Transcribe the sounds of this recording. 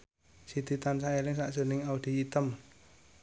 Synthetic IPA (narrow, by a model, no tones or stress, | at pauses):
sid̪̥it̪ansaelɪŋsaʔsənɪŋaud̪̥i̤ːt̪əm